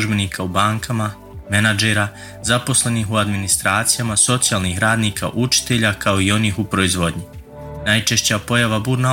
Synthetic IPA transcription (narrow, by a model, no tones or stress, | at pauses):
uʒbe̞niːkʰaubaːŋkʰama | menad͡ʒe̞ɾa | zapo̞slˠe̞niɦuad̪minist̪ɾaːt̪sijamaso̞t̪sijaːlˠnixɾaːd̪niːkʰa̰ʔut͡ʃi̥t̪e̞ʎakʰao̞io̞niːxupɾo̞izʋo̞d̪ɲi | najt͡ʃe̞ʃt͡ɕapo̞jaʋabuːɾna